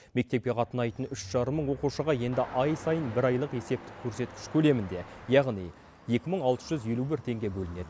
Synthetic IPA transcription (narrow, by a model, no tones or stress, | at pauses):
me̞k̚t̪e̞p̚kʲeqʰɑt̪ənɑjt̪ənʏʃʒ̥ɑɾəmːəɴwo̞quʃəʁɑje̞nd̪ɪʔɑjsɑjənbɪɾɑjlˠəqe̞se̞p̚t̪ɪ̥kʲʰːɵɾse̞t̪kʲɪʃkʲʰɵle̞mɪnd̪e̞jɑʁnij | je̞kʲɪməɴɑlˠt̪ə̥ʒ̥ʏzje̞lubɪɾt̪ʰe̞ŋɡʲe̞bɵlɪne̞d̪ɪ